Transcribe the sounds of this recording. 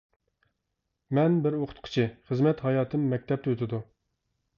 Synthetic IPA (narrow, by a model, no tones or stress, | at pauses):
mɛnbɪɾoqʰʊ̥t̪̚qʰə̥t͡ʃʰɪχəzmɛt̪hɑjɑːt̪ʰɨmːɛk̚ʲt̪ʰɛp̚t̪ʰøt̪ʰɪd̪u